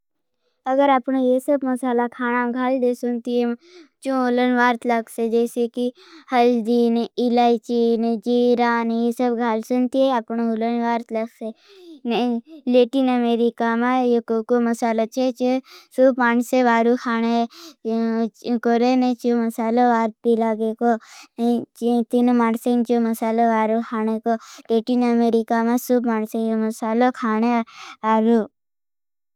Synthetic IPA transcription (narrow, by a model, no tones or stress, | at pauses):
ɐɡəɾapnajesəbmɐsaːlakʰaːñaɡʱaːld̪esʊnt̪iet͡ʃõolənʋaːɾt̪lɐksed͡ʒɛːseki | hɐld̪iːnilaːit͡ʃiːnd͡ʒiːɾaːnjesəbɡʱaːlsunt̪ieapnoolənʋaːɾt̪lɐkse | neleːʈiːnəmeːɾikamajekokomɐsaːlat͡ʃʰet͡ʃsuːbmaːɳseʋaːɾukʰaːɽ̃e | koɾenet͡ʃoməsaːloʋaːɾt̪p̪ilaɡekont͡ʃt̪inumaːɳsent͡ʃoməsaːloʋaːɾukʰaːɽ̃ekoleʈinəmeɾikamãsuːbmaːɳsejoməsaːlokʰaːɳ̃eaːɾu